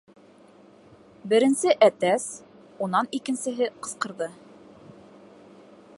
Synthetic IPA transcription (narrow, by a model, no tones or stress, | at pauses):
bɘ̆ɾɘ̆nsɘʔæt̪æs | unɑnikɘ̆nsɘ̆ɦɘqɤ̆sqɤ̆ɾðɤ